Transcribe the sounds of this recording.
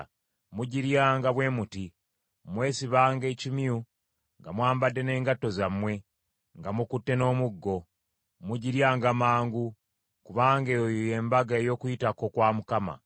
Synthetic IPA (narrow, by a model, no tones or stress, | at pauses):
muɟiɾjaːŋɡaβwe̞muti | mwe̞ːsiβaːŋɡe̞ːcimju | ŋɡamwaːmbadːe̞ne̞ːŋɡatːo̞zamwe̞ | ŋɡamukutːe̞no̞ːmuɡːo̞ | muɟiɾjaːŋɡamaːŋɡu | kuβaːŋɡejoje̞ːmbaɡaejo̞ːkuitako̞kwaːmukama̰